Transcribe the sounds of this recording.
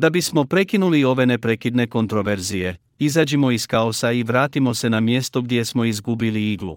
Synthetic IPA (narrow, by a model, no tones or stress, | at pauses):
d̪abismo̞pɾe̞kinulio̞ʋe̞ne̞pɾe̞kid̪ne̞ko̞nt̪ɾo̞ʋe̞ɾzije̞ | izaːd͡ʑimo̞iskaosaiʋɾaːt̪imo̞se̞namje̞st̪o̞ɡd̪ʲje̞smo̞izɡubiliiɡlṵ